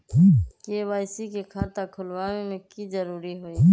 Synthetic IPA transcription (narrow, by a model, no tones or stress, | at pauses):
keʋaːɪsikekʰaːt̪akʰʊlwaːʋemẽkid͡ʒəɾuːɾiɦoːi